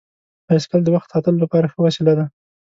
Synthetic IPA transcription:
paskald̪əwaxt̪sɑt̪əlolapɑɾaxəwasəlad̪a

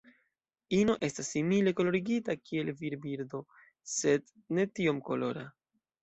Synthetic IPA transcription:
ino̞ʔe̞stasːimile̞ko̞lo̞ɾiɡitakʰie̞lviɾbiɾdo̞ | se̞d | ne̞tio̞mko̞lo̞̰ɾa

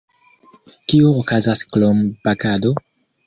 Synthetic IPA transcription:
kiookazasklomb̥aɡado̞

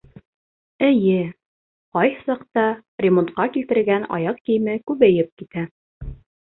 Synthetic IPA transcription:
ɘjɘ | qɑjhsɑqt̪ɑrʲemont̪qɑkilt̪ɘ̆ɾɘ̆ɡænɑ̰jɑq̚kĭjmɘkʉβæjɘp̚kit̪æ

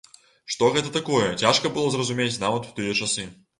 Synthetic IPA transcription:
ʂt̪ɔɣɛt̪ɐt̪akɔjɛt͡sʲaʂkɐbɨlˠɔzrɐzumʲet͡sʲnavɐt̪wt̪ɨjɛt͡ʂasɨ

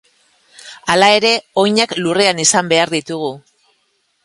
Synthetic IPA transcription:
alae̞ɾe̞o̞jɲaklure̞anisambe̞aɾðit̪uɣ̞u

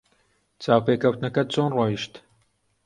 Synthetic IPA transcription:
t͡saːwpeːkʰɐwt̪nɐkɐt͡sʰoːnrwɑːjiʃt̪

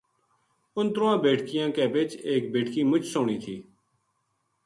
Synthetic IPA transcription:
ʊnt̪ɾoːãːbeːʈkɪjãːkeːʋɪt͡ʃeːkbeːʈkiːmʊt͡ʃsoːɳiːt̪ʰiː

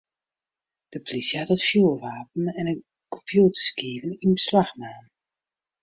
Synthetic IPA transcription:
d̥əpolisjəhatətfjuːʋaːp̚ən̩ɛnən | kʰɔpʰjuːtə̥skiːvəninbəslaxmaːn

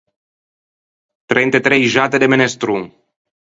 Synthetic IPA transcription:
t̪ɾejnt̪et̪ɾejʒat̪ed̪emenest̪ɾu

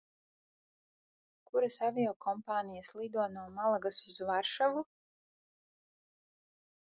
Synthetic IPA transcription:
kuɾasavʲijɔkʰɔmpaːnijaslˠid̪uɔnuɔːmalˠaɡasizvaɾʃavu

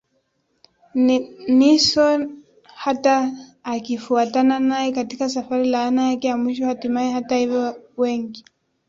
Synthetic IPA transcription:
nisɔ | hataːkifuatananaɛkatikasafaɾilaːnajakɛjamwiʃɔhatimaɛhatahivjɔwɛŋɡi

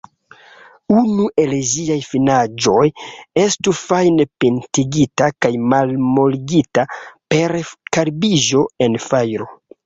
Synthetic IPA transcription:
unuʔe̞lziajfinad͡ʒo̞je̞stufajnepentiɡitakajmalmo̞liɡitape̞ɾkaɾbiʒo̞e̞nfajɾo̞

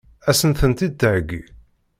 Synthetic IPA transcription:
æsənθənt̪id̪̚t̪əʕəɡḭ

